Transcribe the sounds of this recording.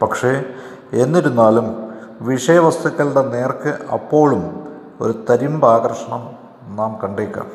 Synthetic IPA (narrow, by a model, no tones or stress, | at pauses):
pɐkʂe̞ | e̞nːiɾunːaːlumʋiʂɐjɐʋɐst̪ʰuɣːɐɭɽene̞ːrkɨʔɐ̰pːo̞ːɭum | o̞ɾut̪ɐɾimbaːɡɐrʂɐɳɐm | naːmkɐɳɖejkʲːa̰ːm